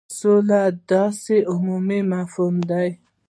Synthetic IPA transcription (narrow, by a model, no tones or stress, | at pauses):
sulad̪ɑsiʔʊmumimafumd̪aj